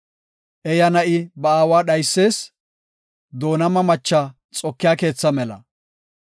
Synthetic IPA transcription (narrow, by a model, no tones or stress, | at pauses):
ʔɛjɐnɐʔɪbɐaːwaːɗɐjsːe̞ːs | d̪o̞ːnɐmɐmɐt͡ʃːɐ | t͡sʼɔkːɪjaːke̞ːt͡sːɐmɛlɐ̰